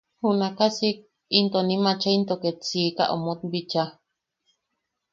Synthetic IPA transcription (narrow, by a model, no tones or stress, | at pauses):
hunakasik̚ | int̪onimat͡ʃaint̪oket͡sika̰ʔo̰mot̪̚bit͡ʃa